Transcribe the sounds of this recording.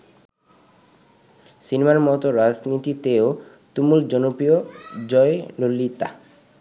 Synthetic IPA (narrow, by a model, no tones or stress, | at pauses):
sinemaɾmɔt̪oɾad͡ʑnit̪it̪eo | t̪umuld͡ʑɔnopiod͡ʑɔelolːit̪a̰